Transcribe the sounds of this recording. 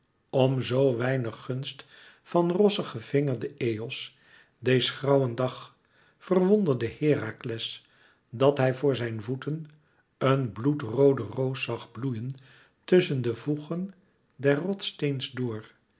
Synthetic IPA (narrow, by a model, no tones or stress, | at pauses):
ɔmzowʋɛjnəχːɵnst | fɑnrɔsəχəvɪŋəɹdəejɔs | dejzəχrɑwəndɑχ | fərʋɔndəɹdəhɪːraklɛs | dɑtɦɛjvʊːɹzɛjnvutən | ənblutrowdərowsɑχblujən | tɵsəndəvuχən | dɛrrɔtstejnzdʊːɹ